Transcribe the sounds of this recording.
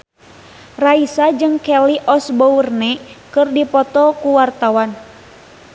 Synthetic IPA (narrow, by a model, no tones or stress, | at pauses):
raisad͡ʒɨŋkɛliʔɔsbournɛkɨrdipɔt̪ɔkuwart̪awan